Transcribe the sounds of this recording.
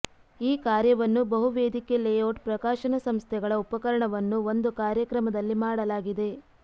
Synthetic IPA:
iːkaːɾjɐʋɐnːubɐɦuʋeːd̪ikelejoːʈpɾɐkaːʃɐnɐsɐmst̪ʰɛɡɐɭɐupɐkɐɾɐɳɐʋɐnːuʋo̞nd̪ukaːɾjɐkɾɐmɐd̪ɐlːimaːɽɐlaːɡid̪e̞

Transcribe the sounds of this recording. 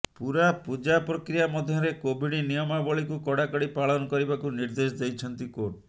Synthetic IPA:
puɾapud͡ʒapɾɔkɾijamɔd̪ʱjɔɾekobʱiɽ̃inijɔmabɔɭikukɔɽakɔɽipaɭɔnɔkɔɾibakuniɾd̪es̬ɔd̪ejt͡ʃʰɔnt̪ikoʈ

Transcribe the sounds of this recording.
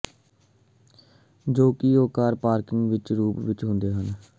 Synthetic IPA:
d͡ʒoːkioːkaːɾpaːɾkɪŋɡʋɪt͡ʃɾuːpʋɪt͡ʃɦʊ̃nd̪eːɦən

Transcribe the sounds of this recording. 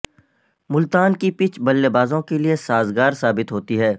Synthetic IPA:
mʊlt̪aːnkipɪt͡ʃbɐlːebaːzõkeliesaːzɡaːɾsaːbɪt̪ɦoːt̪iɦɛː

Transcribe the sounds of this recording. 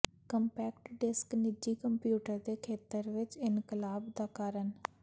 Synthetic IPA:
kəmpɛːkʈɖɪsknɪd͡ʒiːkəmpjuːʈəɾd̪eːkʰeːt̪əɾʋɪt͡ʃɪnkɪlaːbd̪aːkaːɾən

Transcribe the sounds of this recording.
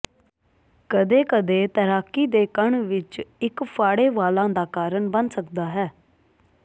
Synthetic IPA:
kəd̪eːkəd̪eːt̪əɾaːkiːd̪eːkəɳʋɪt͡ʃɪkpʰaːɽeːʋaːlãːd̪aːkaːɾəɳbənsəkd̪aːɦɛː

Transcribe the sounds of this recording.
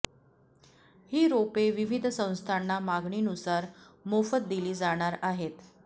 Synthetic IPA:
hiːɾopeʋiʋid̪ʱsə̃w̃st̪ʰanːamaɡɳiːnusaɾ | mofət̪̚d̪iliːd͡zaɽ̃aɾaɦet̪

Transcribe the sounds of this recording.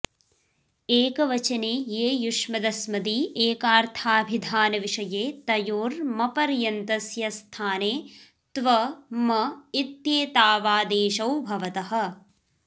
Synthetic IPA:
eːkɐʋɐt͡ʃɐneːjeːjuʂmɐd̪ɐsmɐd̪iʔeːkaːɾt̪ʰaːbʱid̪ʱaːnɐʋiʂɐjeːt̪ɐjoːɾmɐpɐɾjɐnt̪ɐsjɐst̪ʰaːneː | t̪ʋɐmɐit̪jeːt̪aːʋaːd̪eːʃɐwbʱɐʋɐt̪ɐɦɐ̆

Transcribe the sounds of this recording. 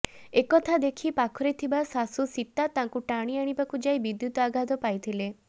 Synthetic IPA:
ekɔt̪ʰad̪ekʰipakʰɔɾet̪ʰibasasusit̪ːat̪ãŋkuʈaɽ̃iaɽ̃ibakud͡ʒajbid̪jut̪ɔaɡʱad̪ɔpajt̪ʰile

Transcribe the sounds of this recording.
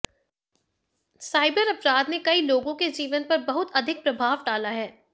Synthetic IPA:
saːɪbəɾɐpɾaːd̪nekɐiloːɡõked͡ʒiːʋənpɐɾbɐɦʊt̪ɐd̪ʱɪk̚pɾɐbʱaːʋɖaːlaɦɛː

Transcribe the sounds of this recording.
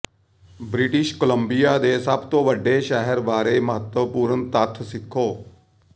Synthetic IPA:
bɾɪʈɪʃkələmbijaːd̪eːsəbt̪õːʋəɖːeːʃɛɦəɾʋaːɾeməɦət̪wəpuːɾənt̪ət̪ʰsɪkʰːoː

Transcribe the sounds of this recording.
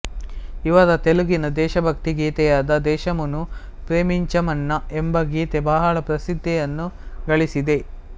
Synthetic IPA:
iʋɐɾɐt̪eluɡinɐd̪ɛːʃɐbʱɐk̚t̪iɡiːt̪ɛjaːd̪ɐd̪ɛːʃɐmɐnu | pɾeːmiɲt͡ʃɐmɐnːɐembɐɡit̪ebaːɦaːɭɐpɾɐsid̪ʱːɛjɐnːuɡɐɭisid̪e̞

